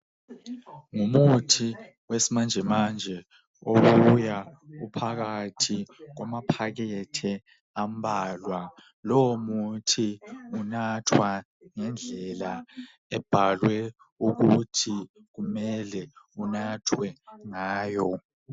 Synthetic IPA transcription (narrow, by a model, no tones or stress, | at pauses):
ŋumutʰi | wesimand͡ʒʱɛmand͡ʒʱɛ | oɣujaupʰaɣatʰik̬wamapʰak̬ɛtʰɛ | am̩bʱalwa | loomutʰiunatʰwa | ŋɛnd͡ɮʱɛla | ɛb̥ʱalwɛ | uk̬utʰi | k̬umɛlɛunatʰwɛŋaːjɔ